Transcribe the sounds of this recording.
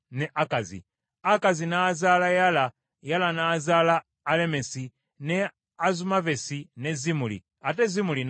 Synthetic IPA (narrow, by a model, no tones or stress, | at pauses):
nɛʔakazḭ | akazinaːzalajala | jalanaːzalaː | lɛmɛsi | nɛ | azumavɛsinɛzimulḭ | atɛzimulin